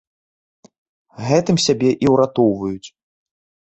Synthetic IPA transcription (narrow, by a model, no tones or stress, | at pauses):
ɣɛt̪ɨmsʲabʲɛʔiwɾat̪ɔwvɐjut͡sʲ